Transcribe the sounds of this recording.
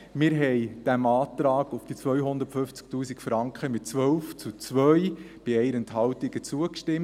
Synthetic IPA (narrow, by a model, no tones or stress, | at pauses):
mɪːɾɦɛɪd̥æmɑːt̪ɾɑːɡʊfd̥it͡sʋœʏɦʊnd̪ətfʏnft͡sk̚tuːsikfɾɑŋkχəmɪtt͡sʋœwft͡sut͡sʋœʏ | b̥ɪɛjɾɛntɦɑwtɪɡ̥ət͡suəkʃtɪm